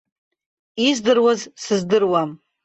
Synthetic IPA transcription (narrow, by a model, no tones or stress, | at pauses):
izdɨrwazsɨzdɨrwam